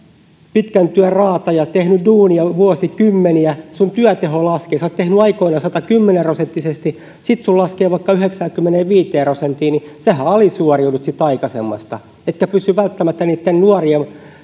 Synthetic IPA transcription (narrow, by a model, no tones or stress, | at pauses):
pit̪kænt̪yærrɑːt̪ɑjɑt̪ehnyduːniɑʋuosikymːeniæsunt̪yæt̪eholɑskeːsot̪t̪ehnyɑikoinɑsɑt̪ɑkymːenerosent̪ːisest̪i | sit̪sullɑskeːʋɑikːɑyheksæːkymːeneʋiːt̪eːrosent̪iːnisehæɑlisuoriunut̪sit̪ɑikɑsḛmːɑ̰st̪ɑ | et̪kæpysːyʋælt̪ːæmæt̪ːæniːt̪ːennuoriem